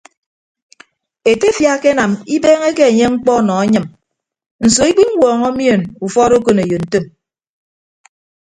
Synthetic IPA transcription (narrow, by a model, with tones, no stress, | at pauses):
e˨te˦fja˦ke˦na˨mi˦beː˦ŋe˦ke˦e˨ɲe˦ŋ͡m̩˦k͡pɔ˦˨nɔ˨a˦ɲɨ˨m | n̩˨so˨i˦k͡pi˦ŋ̩˦wɔː˨ŋɔ˦mjo˦˨nu˨fɔ˦ɾo˦ko˨ne˨jo˨n̩˨tɨ˦˨m